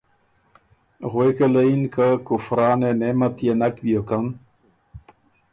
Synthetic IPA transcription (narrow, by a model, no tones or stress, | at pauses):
ɣwekelainkəkufɾaːnenemat̪jenakbjokan